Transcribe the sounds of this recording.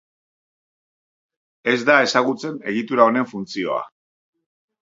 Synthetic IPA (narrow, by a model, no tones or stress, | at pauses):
e̞zd̪ae̞saɣ̞ut͡se̞ne̞̰ɣit̪uɾao̞ne̞ɱfunt͡sio̞̰a̰